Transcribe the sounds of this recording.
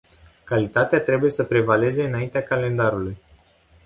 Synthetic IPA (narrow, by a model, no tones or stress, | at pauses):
kalit̪at̪eat̪ɾe̞bujesəpɾe̞vale̞ze̞ɨnaint̪eakale̞nd̪aɾuluj